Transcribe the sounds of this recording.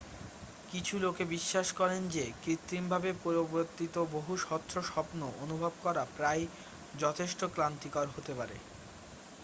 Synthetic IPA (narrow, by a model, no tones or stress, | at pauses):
kit͡ɕʰulokebiʃːaʃkɔɾend͡ʑekɾit̪ːimbʱabepoɾoboɾt̪ːit̪oboɦuʃɔt̪ʰːɾoʃɔpnoʔonubʱɔb̚kɔɾapɾaj | d͡ʑɔt̪ʰeʃʈoklant̪ikaɾɦot̪epaɾḛ